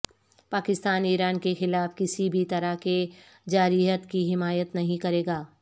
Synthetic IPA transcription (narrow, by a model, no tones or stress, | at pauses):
paːkɪst̪aːniːɾaːnkexɪlaːfkɪsibʱit̪ɐɾake | d͡ʒaːɾiːɦət̪kiɦɪmaːjət̪nɐɦĩkɐɾeːɡaː